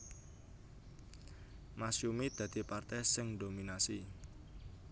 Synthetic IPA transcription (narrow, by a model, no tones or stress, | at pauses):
masjumid̪̥ä̤d̪̥i̤part̪ɛsɪŋdominasi